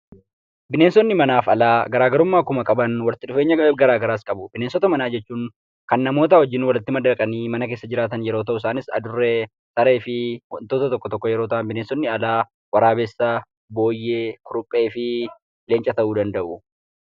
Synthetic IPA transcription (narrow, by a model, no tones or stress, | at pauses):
bɪneːnsɔnːɪmɐnaːfɐlaːɡɐɾaːɡɐɾʊmːaːkʊmɐkʼɐbɐnwɐlt̪ɪᶑʊfe̞ːɲːɐɡɐɾaːɡɐɾaːskʼɐbʊb̥ɪneːnsɔt̪ɐmɐnaːd͡ʒɛt͡ʃːuːŋ | kɐnːɐmo̞ːt̪̬ɐwɔd͡ʒːɪnwɐlɪt̪ːɪmɐd̪ɐkʼɐniːmɐnɐk̬eːsːɐd͡ʒɪɾaːt̪ɐnjɛɾoːt̪̬ɐʔʊɪsaːnɪsɐ̰d̪ʊrːe | t̪ɐɾe̞ːfɪwɐnt̪oːt̪ɐt̪ɔkːɔt̪ɔkːɔjɛɾo̞ːt̪ɐʔɐnbɪneːnsɔnːɪɐlaː | wɐɾaːbɛsːɐ | bo̞ːjːeːkʊɾʊpʼːe̞ːfɪ | le̞ːnt͡ʃʼɐt̪ɐʔuːd̪ɐnd̪ɐʔʊ